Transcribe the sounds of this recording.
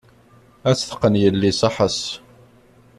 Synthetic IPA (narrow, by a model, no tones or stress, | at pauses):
æt͡sːθə̥qːənjəlːisɑħəs